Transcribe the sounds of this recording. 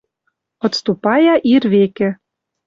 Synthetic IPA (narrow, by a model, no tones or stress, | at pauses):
ŏt̪st̪upɑjɑʔirβekĕ